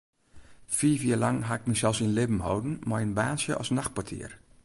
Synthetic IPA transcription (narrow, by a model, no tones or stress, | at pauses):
fiːfjiəlaŋɦaɪk̚mɛsɛlˠsinlɪbm̩howdn̩manbaːnsjəʔɔ̰snaxt̚pwatʰḭər